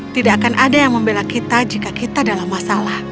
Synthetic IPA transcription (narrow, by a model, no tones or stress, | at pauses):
t̪idakanʔadajaŋməmbelakit̪ad͡ʒikakit̪adalamːasalah